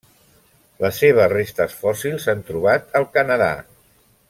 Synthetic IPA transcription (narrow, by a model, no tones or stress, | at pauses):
ləsːeβ̞əzrest̪əsfɔsilˠzant̪ɾuβ̞at̪əlˠkənəða̰